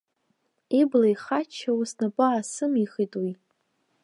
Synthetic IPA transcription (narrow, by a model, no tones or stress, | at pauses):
iblajχat͡ʃʰawusnapʼʊasɨmiχijtʼwi